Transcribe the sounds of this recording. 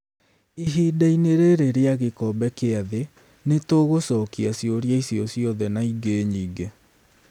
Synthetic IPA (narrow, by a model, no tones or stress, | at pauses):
iɦidaineɾeɾeɾeaɣekɔbɛkeaðe | netoːɣosɔkiasjoɾjaisiɔsjɔðɛnaiɡeɲiːɡe